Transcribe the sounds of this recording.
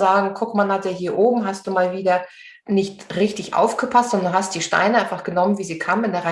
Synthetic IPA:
zaːɡŋ̩kʰʊkmanhatdeːɦiːɐʔoːbm̩ɦast̚d̥uːmaːlviːdɐ | nɪçtʁɪçtɪçʔa̰ʊfɡ̥əpʰastz̥ɔndɐnɦastd̥iːʃta̰ɪnəʔaɪnfaχɡ̥ənɔmənviːziːkʰaːməmɪndeːʁa

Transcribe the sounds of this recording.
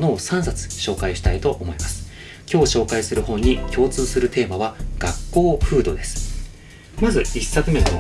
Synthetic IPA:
no̞ːsãɰsat͡sɨ̥ɕo̞ːkaiɕi̥t̪ait̪o̞ʔomo̞imasɨ̥ | kʲo̞ːɕo̞ːkaisɨɾɯ̟ɦõ̞ɲ̟ːikʲo̞ːt͡sɨːsɨɾɯ̟t̪e̞ːmaβaɡ̥akːo̞ːɸɯ̟ːd̪o̞d̪e̞sɨ̥ | mazɨisːakɯ̟mẽ̞no

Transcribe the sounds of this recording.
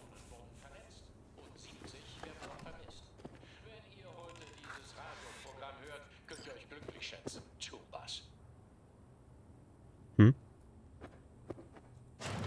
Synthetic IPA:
nənv̥ʊɐdn̩fɛɐnɛt͡st | ʔʊntz̥iːp̚t͡sɪçv̥eːɐdn̩dɔχfɛɐmɪst | vɛniːɐhɔʏtədiːzəsʁaːdjopʁ̥oɡʁamhøːɐt | kʰœntiːɐɔ̽çɡ̥lʏklɪ̰çʃɛ̰t͡sn̩tʰuːba̰s | m̩

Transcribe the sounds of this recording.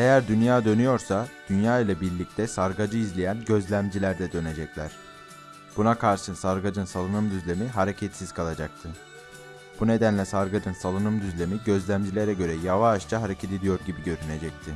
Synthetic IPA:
e̞jæɾd̪ynjaːd̪ø̞nyjo̞ɾsad̪̥ynjaːilˠabiɾlʲic̚t̪ʰɛsaɾɡad͡ʒɯizlʲejænɟø̞zlʲæmd͡ʒilʲæɾd̪ɛd̪ø̞ne̞d͡ʒɛclʲæ̰ɾ̥ | b̥unakʰaɾʃɯsaɾɡad͡ʒɯnsalˠɯnɯmd̪yzlʲemiɦaɾecʰɛt̪siz̥kʰalˠad͡ʒak̚t̪ʰɯ | b̥une̞d̪ænlʲɛsaɾɡad͡ʒɯnsalˠɯnɯmd̪yzlʲe̞miɟø̞zlʲæmd͡ʒilʲe̞ɾɛɟø̞ɾɛjavaːʃt͡ʃʰaɦaɾecʰet̪ʰed̪ijo̞ɾɟibiɟø̞ɾyne̞d͡ʒɛc̚t̪ʰɪ

